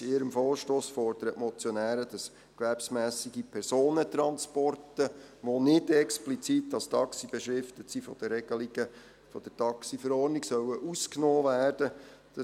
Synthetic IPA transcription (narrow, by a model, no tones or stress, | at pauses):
ɪɾəmfɔːʃtoːsfɔɾdəɾətmɔt͡sjɔnæːɾəd̥ɑs | kʋæɾpsmæːsiɡipʰɛrsoːnət̪ɾɑnspɔrtə | ʋonɪdɛksplit͡sitːɑstʰɑksib̥ɛʃɾɪftətsifɔ̰d̥əɾɛɡ̥əliɡə | fɔd̥əɾtɑksifəɾɔːɾniɡsœwəʔusknoːvæːrd̥əd̥ɑ